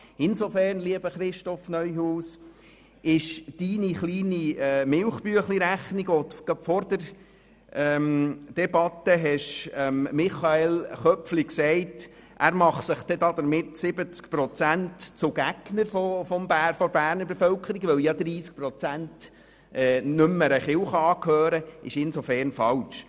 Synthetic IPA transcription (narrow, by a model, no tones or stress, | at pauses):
ɪnsofæːɾnliəb̥əχɾɪʃtɔfnœʏjɦuːs | ɪʃd̥iːniχliːniɛːmɪlχbyəχliɾæχniɡʋɔtɡ̥ɑbfɔɾdəɾ | ɛmd̥ɛbɑt̪ːəɦɛʃɛmmɪχɑelχœpfliksɛɪt | ʔæːɾmɑχsəχd̥̪ɛd̪ɑd̪əɾmɪtsɪbət͡skpɾɔt͡sæntt͡sʊɡ̥æɡ̥nəɾfɔfɔmbæːfɔɾbæːɾnəɾbefœwkʰəɾiɡʋœwjɑd̪ɾiːsk̚pɾɔt͡sænt | ʔɛːnʉmːəɾəχɪwχɑːkʰhøːɾəʔɪ̰ʃɪnsofæɾnfɑlʃ